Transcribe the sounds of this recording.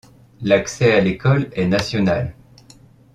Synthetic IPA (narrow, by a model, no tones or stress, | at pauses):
laksɛalekɔlɛnasjɔnal